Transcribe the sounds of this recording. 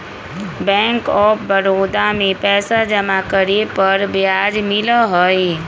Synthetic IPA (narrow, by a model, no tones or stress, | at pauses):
bɛ̃ːŋkɔːpbəɾoːd̪amẽpɛːsad͡ʒəmakəɾepəɾbjad͡ʒmɪləɦəj